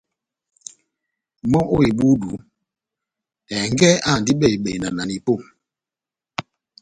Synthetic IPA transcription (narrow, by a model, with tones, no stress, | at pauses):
mɔ˦ʔo˦i˨ɓu˦du˨˦ | ɛ˨ŋ˦ɡɛ˦a˦˨ndi˦ɓɛ˦˨i˨ɓe˨na˨na˨ni˨po˦˨m